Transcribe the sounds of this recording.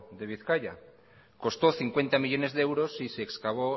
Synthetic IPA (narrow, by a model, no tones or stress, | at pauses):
d̪e̞βiθkaʎa̰ | ko̞st̪oθiŋkwe̞nt̪amiʎo̞ne̞zðeewɾosiseːkskaβ̞o